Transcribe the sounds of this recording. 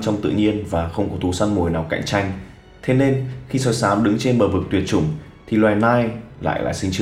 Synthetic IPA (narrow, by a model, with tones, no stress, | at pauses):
t͡ɕɔ˧wŋ͡mt̪ɨ̰˧˨ɲi˧ənvaː˨˩xə˧wŋ͡mkɔ˨˦t̪ʰu˧˩sa˧nmu˨˩əjnaː˨˩wka̰˧˨jŋt͡ɕa˧jŋ̟ | t̪ʰe˨˦ne˧nxi˧səː˧˩jsaː˨˦mɗɨ̰˧˥ŋt͡ɕe˧nɓəː˨˩vɨ˨˩k̚t̪wi˨˩ət̚t͡ɕʊ̰˧˩ŋ͡m | t̪ʰi˨˩lwaː˨˩jnaː˧jla̰ː˧˨jla̰ː˧˨jsï˧ŋ̟t͡ɕɨ˧